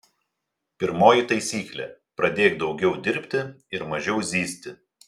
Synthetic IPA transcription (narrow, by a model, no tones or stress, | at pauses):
pʲɪɾmoːjɪt̪ɐɪsʲiːklʲɛ̰pɾɐd̪ʲeːkd̪ɒʊɡʲɛʊd̪ʲɪɾʲpʲt̪ʲɪ | ɪɾmɐʒʲɛʊzʲiːsʲt̪ʲɪ